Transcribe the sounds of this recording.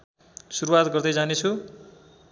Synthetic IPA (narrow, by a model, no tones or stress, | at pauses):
suɾuwat̪ɡʌrd̪ʌjd͡zanet͡sʰu